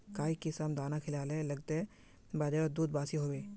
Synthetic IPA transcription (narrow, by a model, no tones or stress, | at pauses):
kaːikisamd̪aːnakʰɪlaːlelɐɡ̚t̪e | baːd͡ʒad̪uːd̪̚baːsiɦoːʋeː